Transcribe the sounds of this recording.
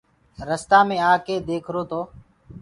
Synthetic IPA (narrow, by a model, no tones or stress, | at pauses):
ɾəst̪aːmẽːaːkeːd̪eːkʰɾoːt̪ʰoː